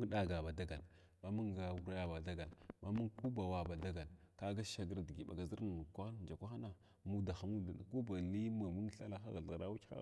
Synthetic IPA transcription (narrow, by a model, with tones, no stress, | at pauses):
ɗa˦˨ɡa˨ba˨da˦ɡa˨l | ma˦mu˦ŋɡa˨wu˦ɾa˦a˦ba˨da˦ɡa˨lma˦mu˦ŋku˦ba˨wa˨ba˨da˦ɡa˨lka˦ɡa˦ʃa˦ɡə˦ɾdi˨ɡi˨ba˨ɡa˨zi˦ɾn˨kʷa˦xn˨d͡ʒa˨kʷa˦xa˦na˨ | mu˦da˨xa˦mu˦da˨na˨ko˦ba˨li˦ma˨mu˦ŋ˦ɬa˦la˦xa˦ɣa˨ɬɣɾa˦wu̥˦xa̰˦˨